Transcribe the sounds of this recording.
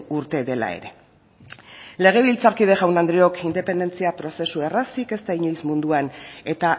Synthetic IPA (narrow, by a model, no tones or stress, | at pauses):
uɾt̪e̞ðe̞la̰e̞̰ɾe̞ | le̞ɣ̞e̞β̞ilt͡saɾkið̞e̞ʝawnand̪ɾio̞kind̪e̞pe̞nd̪e̞nt͡siapɾo̞se̞sue̞rasike̞st̪aiɲujsmund̪uane̞t̪a